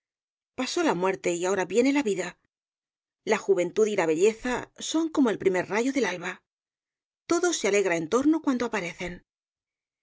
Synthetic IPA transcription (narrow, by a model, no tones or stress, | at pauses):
paso̞lamwe̞ɾt̪e̞iao̞ɾaβje̞ne̞laβiða | laxuβ̞e̞nt̪uðilaβ̞e̞ʎe̞θaso̞ŋko̞mo̞e̞lpɾime̞ɾraʝo̞ðe̞lalβa | t̪o̞ðo̞se̞ale̞ɣɾae̞nt̪o̞ɾno̞kwand̪o̞apaɾe̞θe̞n